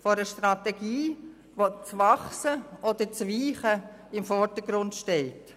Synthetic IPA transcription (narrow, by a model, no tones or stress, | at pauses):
fɔɾəʃtrateɡiː | ʋot͡svɑχsəɔd̪ət͡sʋiːχə | ɪmfɔɾd̥əɡɾʊndʃteɪt